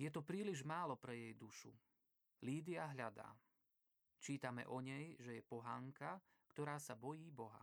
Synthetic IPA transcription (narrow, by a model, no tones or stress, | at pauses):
jɛt̪ɔpɾiːliʒmaːlɔpɾɛjɛjd̪uʃṵ | liːd̪iaɦʎad̪a̰ː | t͡ʃiːt̪amɛ̰ʔɔɲɛjʒɛjɛpɔɦaːŋka | kt̪ɔɾaːsabɔjiːbɔɦa̰